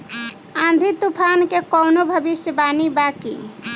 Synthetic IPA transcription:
ãnd̪ʱit̪upʰankekɔwnobʱəbisjəbanibakḭ

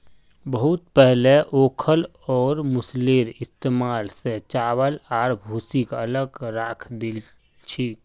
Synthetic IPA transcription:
bəɦʊt̪pɛɦleʔoːkʰəl | ɔːɾmʊsleɾɪst̪eːmaːlset͡ʃaːwəlaːɾbʱusikələɡɾaːkʰd̪il | t͡ʃʰi

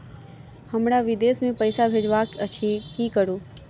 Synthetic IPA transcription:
həmɾaʋɪd̪eːsmẽpəɪsabʱed͡ʒʋakət͡ʃʰekikəɾoː

